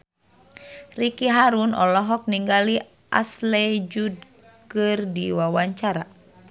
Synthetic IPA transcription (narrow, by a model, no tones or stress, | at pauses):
rikiɦaɾunɔ̰lɔɦɔk̚niŋɡali | ʔa̰slɛd͡ʒud̚ | kɨrdiwawaɲt͡ʃaɾa